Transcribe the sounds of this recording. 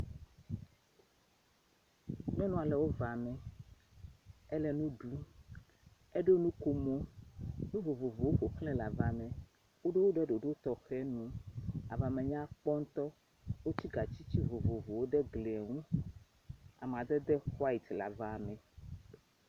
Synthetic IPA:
mɛ̃˦nũ˦a˨lɛ˨wo˦va˨mɛ̃˨ | ɛ˦lɛ˦nũ˦ɖu˦ | ɛ˦ɖo˦nũ˦ko˦mo˦nũ˦vo˨vo˨vo˨wo˦ɸo˨klɛ̃˦la˨va˨mɛ̃˨ | wo˦ɖe˦wo˦ɖɛ˦ɖo˨ɖo˦t̪ɔ˨xɛ˦nũ˦a̰˨va˨mɛ̃˨ɲã˦k͡pɔ˦ŋ̩˦t̪ɔ˦ | wo˦t͡ɕi˦ɡa˨t͡ɕi˦t͡ɕi˦vo˨vo˨vo˨wo˦ɖɛ˦ɡlɛ˨ŋũ˦ | a̰˨m˨a˨d̪ɛ˦d̪ɛ˦xwa˦i˨t̪la̰˨va˨mɛ̃˨

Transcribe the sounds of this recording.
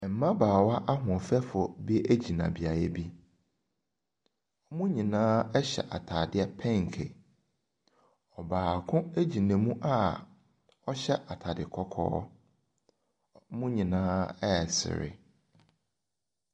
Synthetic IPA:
m̩˨mã˦baː˨wa˦ʔa˦ɦʊ̃˨ɔ˨fɛ˦fʊ˨bi˦æ˦d͡ʑi˨nã̰˨bi˨a˨jɛ˦bi˦ | ɔ˦mũ˦ɲĩ˨nãː˦ɛ˦ɕɛ̰˨ʔa˨tʰa˨dɪ˦ɛ˦pʰɛ̃˦ŋ˨kʰḛ˨ | ɔ˨baː˨kʰʊ̃˦æ˦d͡ʑi˨næ̃˨mũ˦ʔa˦ | ɔ˦ɕɛ˦ʔa˨tʰa˨dɪ˨kʰɔ˦kʰɔ̰ː˦ | mũ˦ɲĩ˨nãː˦ɛ˦˨sɪ̰˨ɾɪ̰˨

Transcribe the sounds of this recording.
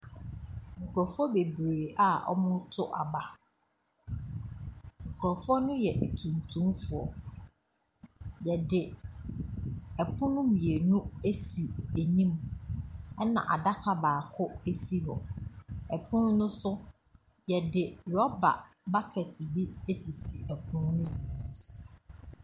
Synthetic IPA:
ŋ̩˨kɔ˨fʊ˦ɔ˦be˨bɾe˨ʔa˨ɔ̰˦mʊ̃˦tʰʊ˦ʔa˨ba˦ | ŋ̩˨kʰɾɔ˨fʊ˦ɔ˦nʊ̃˦jɛ˨ʔe˨tʰũ˨ntʰũ˦mfʊ˨ɔ̰˨ | jɛ˨dɪ˨ | ɛ˨pʰʊ̃˦nʊ̃˦mĩ˨e˨nũ˦e˦si˨e˨nĩ˦m | ɛ˦nã̰˨ʔa̰˨da˦kʰa˨baː˨kʰʊ˦e˦si˦hɔ̰˨ɛ˨pʰʊ̃˦nʊ̃˦nʊ̃˦sʊ˦ | jɛ˨dɪ˨ɾɔ˦ba̰˨ | ba˦kʰɛ˨tʰɪ˨bi˦e˦si˨si˨ɛ˨pʰʊ̃˦nʊ̃˦nʊ̃˦˨˦sʊ̥˨

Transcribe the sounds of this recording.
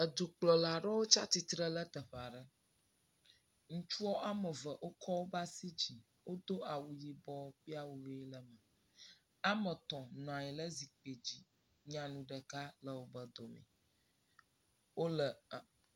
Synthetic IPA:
ə˨d̪u˨k͡plɔ˨la˨ɖɔ˦wo˦t͡ʃa˦t̪i˦t̪ɾə˦lə˦t̪ə˨ɸa˨ɖə˦ | ŋũ˦t͡ʃu˦ɔ˦ʔa˦mə˨və˨ʔo˦kɔ˦wo˦ba˦si˦d͡ʑi˨ | wʔo˦d̪o˦a˨wu˨ji˨bɔ˦ɸi˦a˦wu˨ve˦lə˨mə˨ | a˦mə˨t̪ɔ̃˨nɔ̃˨ã˨jɛ˨lə˦zi˨k͡pe˨d͡ʑi˨ | ɲã˨nũ˨ɖə˨ka˦lə˨wo˦bə˦d̪ɔ˨mɛ̰̃˨ | wo˦lə˨

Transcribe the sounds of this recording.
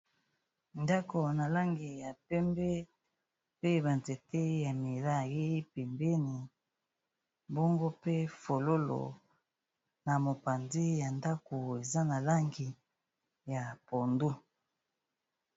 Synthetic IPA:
nda˦ko˨na˨la˦ŋɡi˨ja˨pɛ˦mbɛ˦ | pe˦ba˨nte˨tɛ˦ja˨mi˨la˦je˦pe˨mbɛ˦ni˨ | bɔ˦ŋɡo˦pe˦fo˨lo˦lo̰˨ | na˨mo˨pa˨ndi˦ja˨nda˦ko˨e˨za˦na˨la˦ŋɡi˨ | ja˨po˨ndu˦

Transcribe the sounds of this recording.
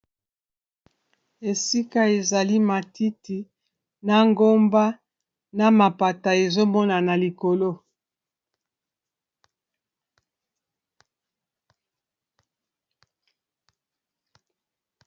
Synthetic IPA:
e˨si˦ka˦e˨za˨li˦ma˨ti˦ti˨ | na˦ŋɡo˦mba˦ | na˦ma˨pa˨ta˨e˨zo˦mɔ˦na˨na˨li˨ko˨lo˦

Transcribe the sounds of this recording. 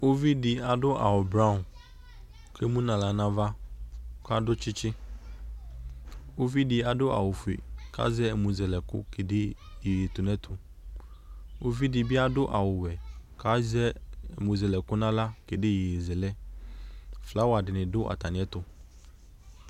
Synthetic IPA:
o˦vi˦dɪ˨a˨dʊ˦ʔa̰˨wʊ˨bɾa˦ʊ˨ | kʰe˦mũ˦nã˨la˨nã˦va˦ka˦dʊ˦t͡ʃɪ˦t͡ʃɪ˦ | o˦vi˦dɪ˨a˨dʊ˦a̰˨wʊ˨fu˨ḛ˨kʰa̰˦zɛ˦˨mũ˨zɛ˨lɛ˨kʊ̰˦ke˨dɪ˦je˨e˨t̪ʊ˨nɛ̃˦t̪ʰʊ˨ | o˦vi˦dɪ˨bɪ˦a˦dʊ˦ʔa˨wʊ˨wɛ˨ka˦zɛ˦˨mũ˨zɛ˨lɛ˨kʊ˦nã˦la˦ke˨dɪ˦jɪ˨e˨zɛ˨lɛ˦ | fla˦wa˨dɪ˨nɪ̃˨dʊ˦ʔa̰˨t̪a˨nɪ̃˨˦ɛ˦t̪ʊ˦

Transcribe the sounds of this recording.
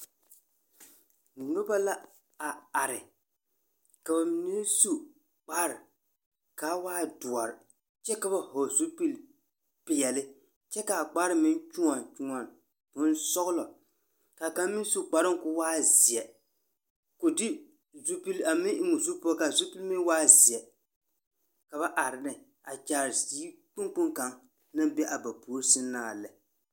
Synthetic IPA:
nʊ˦ba˦la˦ | a˨a˨ɾɪ˨ | ka˨ba˨ni˦n˦su˦ | k͡paː˦ɾɪ˨ | ka˨˦waː˦dʊ˨a˨ɾɪ˨ | t͡ʃɛ˦ka˨ba˦˨ho˨zu˦pi˦l | pɪ˨jɛ˨lɪ˦ | t͡ʃɛ˦ka˨k͡pa˦ɾɪ˨˦mɪ˦nt͡ʃu˦ŋa˨t͡ʃu˨ŋa˨n˨ | kʊ˨˦n˦sɔ˦ɣʊ˦lɔ˨ | ka˨ka˦m˦mɪ˦n˦su˦k͡pa˨ɾɪ˦ŋ˦kʊ˨˦waː˦zɪ˨ɛ˨ | kʊ˨dɪ˦ | zu˦pi˦la˨mɪ˦ʔɪ˦ŋʊ˨zu˦pɔ˦ka˨zu˦pi˦lmɪ˦n˦waː˦zɪ˨ɛ˨ | ka˨ba˦ʔa˨ɾɪ˨nɨ˨ | a˨t͡ʃaː˨ɾziː˦k͡pʊ˦ŋk͡pʊ˦ŋka˨ŋ | na˦mbɛ˦ʔa˨ba˨pu˨˦ɾsɪ˦nːaː˨lɛ˨

